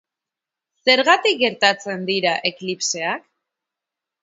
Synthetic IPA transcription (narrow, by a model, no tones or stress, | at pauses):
se̞ɾɣat̪ik̚ɡe̞ɾt̪at͡se̞nd̪iɾaʔe̞klipse̞ak